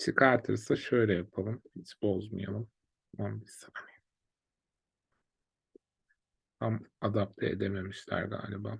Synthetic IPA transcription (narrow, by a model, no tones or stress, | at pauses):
t͡ʃʰikʰaɾt̪ʰɯɾsaʃø̞jlʲɛjapʰalˠɯmhit͡ʃbo̞zma̰ja̰lˠɯm | mambisimi | h̪amad̪ap̚t̪ʰɛḛd̪e̞me̞miʃlʲæ̰ɾɡa̰ːlʲibaː